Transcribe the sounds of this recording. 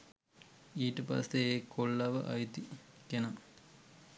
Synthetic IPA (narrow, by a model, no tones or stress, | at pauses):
iːʈəpa̰seekolːɐʋə̰ʔa̰jt̪ikena